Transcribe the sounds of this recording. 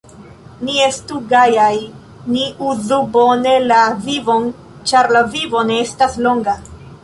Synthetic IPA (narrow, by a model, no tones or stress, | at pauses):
nie̞stuɡajaj | niuzubo̞ne̞lavivo̞n | t͡ʃaɾlavivo̞ne̞estaslo̞ŋɡa